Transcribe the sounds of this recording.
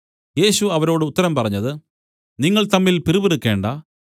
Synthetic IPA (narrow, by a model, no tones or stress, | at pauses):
je̞ːɕuɐʋɐɾo̞ːɽɨut̪ːɐɾɐmpɐrɐɲːɐðɨ | niŋːɐɭt̪ɐmːilpiribeɾukːe̞ːɳɖɐ